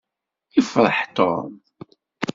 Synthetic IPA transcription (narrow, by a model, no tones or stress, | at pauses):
ifɾˤə̰ħt̪o̰m